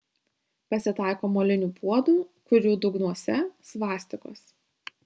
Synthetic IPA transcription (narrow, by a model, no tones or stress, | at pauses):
pɐsʲɪt̪ɑˑɪkoːmoːlʲɪnʲuːpʰuɔd̪uːkʊɾʲuːd̪ʊɡnuɔsʲɛsʋɑːsʲt̪ʲɪko̰ːs